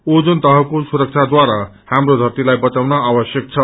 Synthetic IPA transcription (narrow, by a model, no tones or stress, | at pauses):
od͡zunt̪ʌɦʌkosuɾʌk̚t͡sʰad̪waɾa | hamrod̪ʱʌrt̪ilajbʌt͡sawnʌabʌsjʌk̚t͡sʰʌ